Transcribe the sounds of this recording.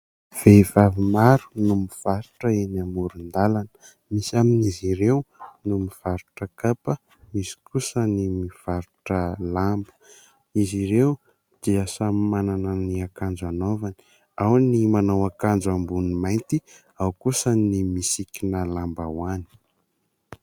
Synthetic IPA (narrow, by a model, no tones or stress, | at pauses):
v̥evavimaɾunumiv̥aɾuʈ͡ʂəenamuɾund̪alanə̥ | misaminiziɾewnumiv̥aɾuʈ͡ʂəkapə | mizi̥kusənimiv̥aɾuʈ͡ʂəlambə̥ | iziɾew | d̪̥iasamanananiakand͡ʒanovani̥ | awnimanawakand͡ʒambunimajnt̪i | awkusənimisikinəlambawani̥